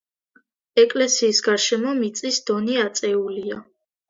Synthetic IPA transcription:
ɛkʼlɛsiːsɡaɾʃɛmɔmit̪sʼisd̪̥ɔniat̪sʼɛulia

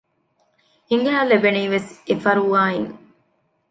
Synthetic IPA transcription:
iŋɡeɦalebeniːʋesefɐɾuʋaːiŋ

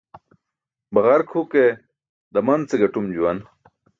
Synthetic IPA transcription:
bɐɣɐɾkʰhuke | d̪ɐmɐnt͡seɡɐʈumd͡ʑuwɐn

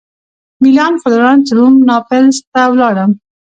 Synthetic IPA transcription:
milɑnfʊd̪ɾɑnt̪əɾumnɑpɪlst̪awlɑɽəm

